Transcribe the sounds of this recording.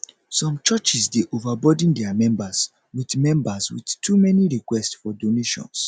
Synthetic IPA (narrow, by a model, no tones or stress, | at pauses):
sɔ̃mt͡ʃɔt͡ʃisdeʔovabɔd̃n̩dɛamɛ̃mbas | widmɛ̃mbaswḭdtʰumɛniɹikwɛstsfɔdoneʃɔ̰̃ns